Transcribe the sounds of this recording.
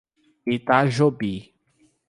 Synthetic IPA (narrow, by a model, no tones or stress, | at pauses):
it̪aʒobi